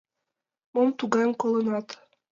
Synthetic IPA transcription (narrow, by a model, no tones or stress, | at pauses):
momt̪uɡɑmkolˠɤ̆nɑt̪